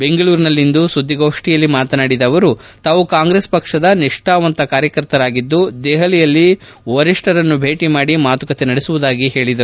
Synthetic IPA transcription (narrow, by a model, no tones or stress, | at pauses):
be̞ŋɡɐɭuːɾnɐlːind̪usud̪ʱːiɡoːʂʈijɐlːimaːt̪ɐnaːɽid̪ɐːʋɐɾut̪aːʋukaːŋɡɾeːspɐkʂɐd̪ɐniʂʈaːʋɐnt̪ɐkaːɾjɐkɐɾt̪ɐɾaːɡid̪ːud̪eːɦɐlijɐlːiʋɐɾiʂʈɐɾɐnːubʱe̞ːʈimaːɽimaːt̪ukɐt̪enɐɽesuʋud̪aːɡiɦe̞ːɭid̪ɐɾu